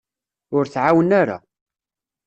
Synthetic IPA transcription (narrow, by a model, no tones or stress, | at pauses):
ʊɾθʕawənaɾa̰